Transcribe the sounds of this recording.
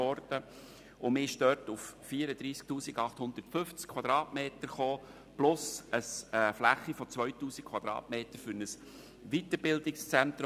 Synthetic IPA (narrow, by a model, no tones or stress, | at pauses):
ɔɾd̥ə | ʊmɪːɪʃdœːtufːiːəɾəd̥̪ɾiːsk̚tuːsiɡɑχthʊnd̪əɾtfʏft͡skʰwɑd̥̪ɾɑːtmeːt̪əɾχoː | plʊsəsɛːflæχːifɔt͡sʋœʏtuːsikʰw̥ɑd̥̪ɾɑ̰ːtmeːtəɾfʏɾnəs | ʋitəɾbɪldɪkst͡sɛnt̪ɾ